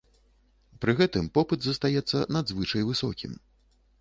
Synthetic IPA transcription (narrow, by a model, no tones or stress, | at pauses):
pɾɨɣɛt̪ɨmpɔpɨd̪zɐst̪ajɛt̪sːɐ̰nad̪zvɨt͡ʂɐjvɨsɔkʲḭm